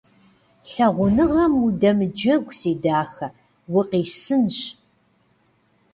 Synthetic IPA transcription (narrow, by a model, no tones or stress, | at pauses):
ɬɐʁʷʊnɨʁɐmudɐmɨd͡ʒɐɡʷsiːdaːxɐ | wʊqiːsɨnɕ